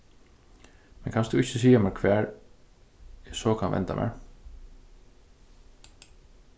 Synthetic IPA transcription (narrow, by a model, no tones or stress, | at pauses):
mɛnkʰansd̪ʊɪçɪsiːjamɛɹkʰvæːɹ | ɛsɔːkʰanvɛ̰nt̪a̰mʔɛ̰ːɹ